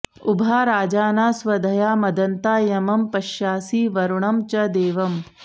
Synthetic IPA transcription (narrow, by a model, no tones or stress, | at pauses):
ubʱaːɾaːd͡ʒaːnaːsʋɐd̪ʱɐjaːmɐd̪ɐnt̪aːjɐmɐmpɐʃjaːsiːʋɐɾuɳɐmt͡ʃɐd̪eːʋɐm